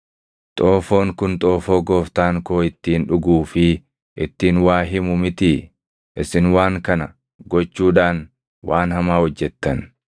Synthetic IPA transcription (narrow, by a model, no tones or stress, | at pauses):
t̪ʼoːfo̞ːŋkʊnt̪ʼo̞ːfo̞ːɡoːft̪aːŋko̞ːɪt̪ːiːnᶑʊɡuːfɪ | ʔɪt̪ːiːnwaːɦɪmʊmɪt̪ɪ | ʔɪsɪnwaːŋkɐnɐ | ɡɔt͡ʃːuːᶑaːn | wʔaːnhɐmaːhɔd͡ʒːɛt̪ːɐn